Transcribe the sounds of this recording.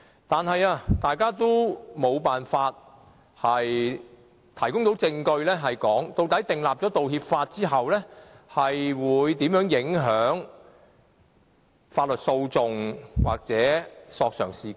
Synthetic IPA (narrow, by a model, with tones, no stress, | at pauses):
t̪aː˨nɦɐ˨jaː˧t̪aː˨jkaː˥t̪o˥wmo˨˧wpaː˨nfaː˧t̚ | hɐ˨j | t̪ʰɐ˨˩jkʊ˥ŋt̪o˨˥wt͡sɪ˧ŋkɵ˧ɥlɛː˥ɦɐ˨jkɔː˨˥ŋt̪o˧wt̪ɐ˨˥jt̪ɪ˨ŋlaː˨p̚ɔː˨˥t̪o˨whiː˧p̚faː˧t̚t͡siː˥ɦɐ˨wlɛ˥ | hɐ˨jwuː˨˧jt̪iː˨˥mjœː˨˥ŋjɪ˨˥ŋɦœː˨˥ŋ | faː˧t̚lɵ˨t̚so˧wt͡sʊ˨ŋwa̰ː˨˩k̚t͡sɛː˨˥sɔː˧k̚sœ̰ː˨˩ŋsiː˨